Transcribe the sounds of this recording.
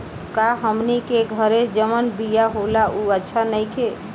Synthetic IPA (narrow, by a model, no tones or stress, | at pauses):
kaɦəmnikeɡʱəɾed͡ʒəmənbijaɦolaʔuətːʃʰanəɪkʰe